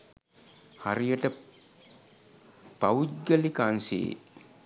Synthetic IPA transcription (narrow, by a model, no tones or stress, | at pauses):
haɾijəʈə | pawuɡəlikansḛː